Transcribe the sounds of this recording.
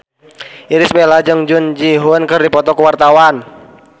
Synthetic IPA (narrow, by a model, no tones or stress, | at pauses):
iɾisbelad͡ʒəŋd͡ʒund͡ʒiɦʊnkɨrdipɔt̪ɔkəwart̪awan